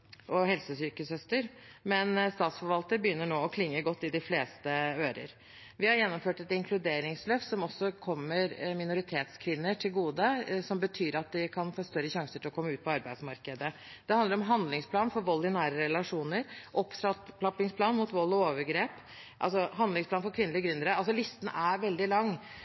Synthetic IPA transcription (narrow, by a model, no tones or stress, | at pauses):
ʔɔhɛlsəsyːkəsœst̪əɾmɛnst̪ɑːt̪sfɔɾʋɑlt̪əɾbəjʏnːəɳoːɔkʰlɪŋːəɡɔt̪ːɪd̪ɪfleːst̪əøːɾə̰ɾ | ʋɪhɑɾjɛnːɔmføːʈɛt̪ɪŋkʰlʉd̪eːɾɪŋsløːfsɔmɔsːɔkʰɔmːəɾmɪnʊɾɪt̪ʰeːt̪skʰʋɪnːəʈʰɪlɡuːd̪əsɔmbət̪ʰyːɾɑt̪̚d̪ɪkʰɑnfoːst̪œɾːəɕɑŋsəʈʰɪlɔkɔmːʉːt̪̚pʰɔɑɾbæɪd̪smɑɾkəd̪ə | d̪̥ɛhɑnd̪əɾɔmɦɑnd̪lɪŋspʰlɑːnfɔɾʋɔlːɪnæːɾəɾɛlɑʂuːnəɾʔɔpːsɾɑplɑpɪŋspʰlɑːnmʊt̪ʋɔlːɔoːʋəɾɡɾeːp | ʔɑ̰lsɔɦɑnd̪ɪŋsplɑːnfɔɾkʰʋɪnːəlɪəɡɾʏnd̪əɾəɑlsɔlɪst̪n̩æɾʋɛld̪ɪlɑŋː